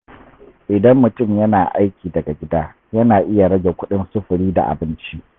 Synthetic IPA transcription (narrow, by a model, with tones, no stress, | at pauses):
ʔɪ˨dɐ˦mːʊ˨tʊ˦˨mjɐ˦naː˨ʔa˦jkʲiː˨dɐ˨ɡa˨ɡʲɪ˦daː˦ | jɐ˦naː˨ʔɪ˦ja˨ɽɐ˦ɡʲe˨kʷʊ˦ɗɪ˦nsʊ˦ɸʊ˨ɽiː˦da̰˨ʔa̰˨bɪ˦nt͡ʃi˦ʔ